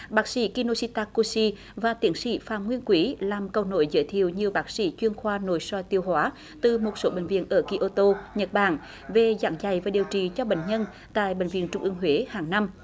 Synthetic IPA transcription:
ɓaː˨˦˥k̚sḭ˧˥ki˧no˧si˧t̪aː˧ko˧si˧ | vaː˨˩t̪i˨˦ənsḭ˧˥faː˧˩mŋwi˧ənkwi˨˦laː˨˩mkə˨˩wno̰˧˦jzə̰˧˥˦jt̪ʰḭ˧˨əwɲɨ˧əɓaː˨˦˥k̚sḭ˧˥t͡ɕwi˧ənxwaː˧no̰˧˨jswɔ˧˩jt̪i˧əwhwaː˨˦ | t̪ɨ˨˩mo˨˩t̚so˨˦ɓḛ˧˨ŋ̟vḭ˧˨ənʔəː˧˩ki˧ʔo˧t̪o˧ɲə˨˩t̚ɓaː˧˩n | ve˨˩za̰ː˧˩˥ŋza˧˩jvaː˨˩ɗi˨˩əwt͡ɕi˨˩t͡ɕɔ˧ɓḛ˧˨ŋ̟ɲə˧n | t̪a̰ː˧˨jɓḛ˧˨ŋ̟vḭ˧˨ənt͡ɕʊ˧ŋ͡mʔɨ˧əŋɦwe˨˦haː˨˩ŋna˧m

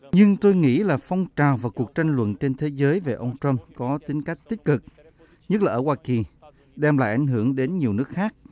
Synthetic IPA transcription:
ɲɨ˧ŋt̪o˧jŋḭ˧˥laː˨˩fɔ˧wŋ͡mt͡ɕaː˨˩wvaː˨˩ku˨˩ək̚t͡ɕa˧jŋ̟lwə̰˧˨nt͡ɕe˧nt̪ʰe˨˦zəː˨˦jve˨˩ʔə˧wŋ͡mtɹə˧mkɔ˨˦t̪ï˨˦ŋ̟ka˦˥k̚t̪i˦˥p̚kɨ˨˩k̚ | ɲə˦˥t̚laː˨˩ʔəː˧˩waː˧ki˨˩ | ɗɛ˧mla̰ː˧˨jʔa˧˩ŋ̟ɦɨ˧˩əŋɗe˨˦nɲi˨˩əwnɨ˦˥ək̚xaː˦˥k̚

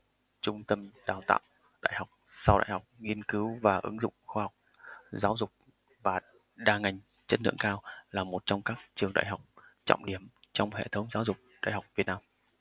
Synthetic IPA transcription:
t͡ɕʊ˧ŋ͡mt̪ə˧mɗaː˨˩wt̪a̰ː˧˨w | ɗa̰ː˧˨jha˨˩wk͡p̚sa˧wɗa̰ː˧˨jha˨˩wk͡p̚ŋi˧ənkɨ˨˦wvaː˨˩ʔɨ̰˨˦ŋzʊ̰˧˨ŋ͡mxwaː˧hɔ˨˩wk͡p̚ | zaː˨˦wzʊ˨˩k͡p̚ | vaː˨˩ | ɗaː˧˩ŋa˨˩jŋ̟ | t͡ɕə˦˥t̚lɨ̰˧˨əŋkaː˧wlaː˨˩mo˨˩t̚t͡ɕɔ˧wŋ͡mkaː˦˥k̚t͡ɕɨ˨˩əŋɗa̰ː˧˨jɦa˨˩wk͡p̚t͡ɕɔ̰˧˨wŋ͡mɗi˨˦əmt͡ɕɔ˧wŋ͡mhḛ˧˨t̪ʰə˨˦wŋ͡mzaː˨˦wzʊ˨˩k͡p̚ɗa̰ː˧˨jha˨˩wk͡p̚vi˨˩t̚naː˧m

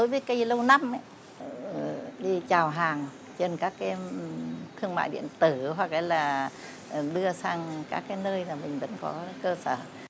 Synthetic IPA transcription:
ɗo˨˦jvəː˨˦jkə˧jlə˧wna˧mʔa˧˦˨ | ɗi˧t͡ɕaː˨˩wɦaː˨˩ŋ | t͡ɕe˧˩nkaː˦˥k̚ːaː˧˨ɛ˧mt̪ʰɨ˧əŋma̰ː˧˨jɗḭ˧˨ənt̪ɨ˧˩ɦwa˨˩k̚laː˨˦jlaː˨˩˨ | ɗɨ˧əsaː˧ŋka̰ː˦˥k̚ːaː˨˦jnəː˧jzaː˨˩mï˨˩ŋ̟və̰˧˥nkɔ̰˨˦kəː˧səː˧˩

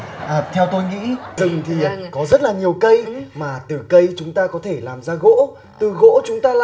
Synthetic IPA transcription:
ʔəː˨˩t̪ʰɛ˧wt̪o˧jŋḭ˧˥t̪ɨ˨˩ŋt̪ʰi˨˩kɔ˨˦zə˦˥t̚laː˨˩ɲi˨˩əwkə˧jmaː˨˩t̪ɨ˨˩kə˧jt͡ɕʊ˨˦ŋ͡mt̪aː˧kɔ˨˦t̪ʰe˧˩laː˨˩mzaː˧ɣo̰˧˥ | t̪ɨ˨˩ɣo̰˧˥t͡ɕʊ˨˦ŋ͡mt̪aː˧la̰ː˧˨

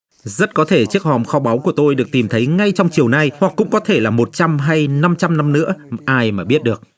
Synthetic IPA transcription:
zə˦˥t̚kɔ˨˦t̪ʰe˧˩t͡ɕɨ˦˥ək̚hɔ˨˩mxɔ˨˦ɓa˨˦wku˧˩ət̪o˧jɗɨ˨˩ək̚t̪i˨˩mt̪ʰə˨˦jŋa˧jt͡ɕɔ˧wŋ͡mt͡ɕi˨˩əwna˧jhwa˨˩k̚ːʊ̰˧˥ŋ͡mkɔ˨˦t̪ʰe˧˩laː˨˩mo˨˩t̚t͡ɕa˧mɦa˧jna˧mt͡ɕa˧mna˧mnɨ̰˧˥əʔaː˧jmaː˨˩ɓi˦˥ət̚ɗɨ˨˩ək̚

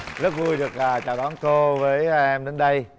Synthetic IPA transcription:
zə˦˥t̚vu˧jɗɨ˨˩ək̚aː˨˩t͡ɕaː˨˩wɗɔ˨˦nko˧vəː˨˦jʔɛ˧mɗe˨˦nɗə˧j

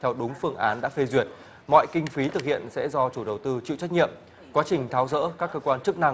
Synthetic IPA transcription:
t̪ʰɛ˧wɗʊ˨˦ŋ͡mfɨ˧əŋʔaː˨˦nɗa̰ː˧˥fe˧zwi˨˩ət̚ | mɔ̰˧˨jkï˧ŋ̟fi˨˦t̪ʰɨ˨˩k̚hi˧˨ənsɛ̰˧˥zɔ˧t͡ɕu˧˩ɗə˨˩wt̪ɨ˧t͡ɕḭ˧˨wt͡ɕa˦˥j̚t̚ɲḭ˧˨əm | kwaː˨˦t͡ɕï˨˩ŋ̟t̪ʰaː˨˦wzə̰ː˧˥kaː˦˥kːəː˧kwaː˧nt͡ɕɨ˦˥k̚na˧ŋ

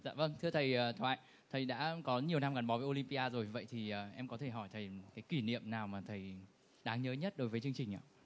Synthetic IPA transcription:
za̰ː˧˨və˧nt̪ʰɨ˧ət̪ʰə˨˩jəː˨˩t̪ʰwa̰ː˧˨j | t̪ʰə˨˩jɗa̰ː˧˥kɔ˨˦ɲi˨˩əwnaː˧mkaː˨˧˩nɓɔ˨˦vəː˨˦jʔo˧li˧mpi˧aː˧zo˨˩jvi˨və̰˧˨jt̪ʰi˨˩ʔəː˨˩ʔɛ˧mkɔ˨˦t̪ʰe˧˩ɦɔ˧˩jt̪ʰə˨˩jkaː˨˦jki˧˩nḭ˧˨əmnaː˨˩wmaː˨˩t̪ʰə˨˩j | ɗaː˨˦ŋɲəː˨˦ɲə˦˥t̚ɗo˨˦jvəː˨˦jt͡ɕɨ˧əŋt͡ɕï˨˩ŋ̟ʔa̰ː˧˨

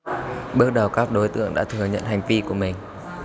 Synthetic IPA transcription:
ɓɨ˦˥ək̚ɗə˨˩wkaː˦˥k̚ɗo˨˦jt̪ɨ̰˧˨əŋɗa̰ː˧˥t̪ʰɨ˨˩əɲə̰˧˨nha˨˩jŋ̟vi˧ku˧˩əmï˨˩ŋ̟

